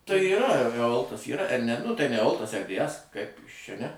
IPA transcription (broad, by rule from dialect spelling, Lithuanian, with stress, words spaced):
tɐɪ iːˈrɐ ɛˈoːlˠtɐs ˈiːrɐ ɛr nʲɛ nʊ ˈtɐɪ nʲɛ ɛˈoːlˠtɐs ɛr dʲeː ˈɛs kɐɪp ˈjɪs ˈt͡ʃʲɛ nʲɛ